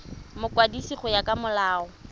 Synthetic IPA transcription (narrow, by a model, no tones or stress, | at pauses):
mʊkʼwadisiχʊjakʼamʊlaːɔ